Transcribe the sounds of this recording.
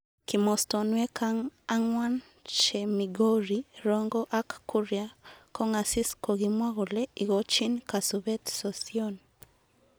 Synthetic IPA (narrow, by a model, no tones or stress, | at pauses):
kimɔstɔnwɛkʰaŋaŋwan | t͡ʃɛmiɡoɾiɾɔŋɡɔʔakːuɾjakɔŋasiskoɣimwaɣolɛiɣot͡ʃinkasɔβɛtsɔsiɔn